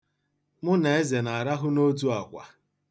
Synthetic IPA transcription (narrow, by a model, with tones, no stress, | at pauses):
mʊ˦ne˨e˦ze˨na˨ɾa˦ɦʊ˦no˦t̬u˦a˨kʷa̰˨